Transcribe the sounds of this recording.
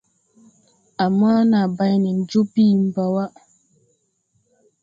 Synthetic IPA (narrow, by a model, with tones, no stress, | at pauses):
a˨ma˦na˨ba˦jni˨n̩˦d͡ʒu˦piː˦˨m̩˦ba˨wa˦